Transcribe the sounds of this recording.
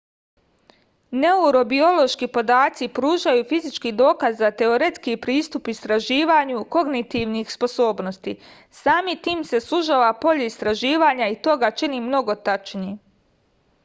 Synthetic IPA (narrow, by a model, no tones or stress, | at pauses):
ne̞uɾo̞bio̞lˠo̞ʃkipo̞d̪aːt̪sipɾuːʒajufizit͡ʃkid̪o̞ːkazːat̪e̞o̞ɾe̞t̪skipɾiːst̪upist̪ɾaʒiːʋaɲuko̞ɡnit̪iʋnixspo̞so̞ːbno̞st̪ḭ | saːmit̪iːmse̞suʒaʋapo̞ʎeist̪ɾaʒiːʋaːɲait̪o̞ɡat͡ʃinimno̞ɡo̞t̪at͡ʃniː